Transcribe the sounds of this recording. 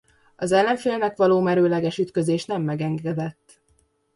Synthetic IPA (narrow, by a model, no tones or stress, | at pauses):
ɒzɛlːɛɱfeːlnɛkʋɒloːmɛɾøːlɛɡɛʃyt̪kø̞zeːʃnɛmːɛɡɛŋɡɛd̪ɛt̪ː